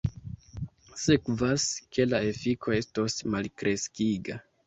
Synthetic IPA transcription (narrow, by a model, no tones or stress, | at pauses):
sekvaskʰe̞laefikʰo̞e̞stosmalkɾe̞skiɡa